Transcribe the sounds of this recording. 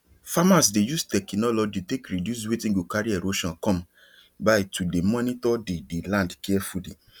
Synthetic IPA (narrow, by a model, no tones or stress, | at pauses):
famas̬dejustɛknɔlɔd͡ʒitekɹidjus̬wetĩɡokaɹiɛɾoʃɔ̃nkɔ̃m | baɪtudemɔnitɔdedelãndkɛɛfulḭ